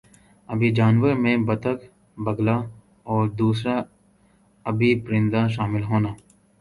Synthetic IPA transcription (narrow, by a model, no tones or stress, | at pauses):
ɐbid͡ʒaːnʋəɾmẽbɐt̪ək | bɐɡla | ɔːɾd̪uːsɾa | ɐbʱipɾɪ̃nd̪aʃaːmɪlɦoːnaː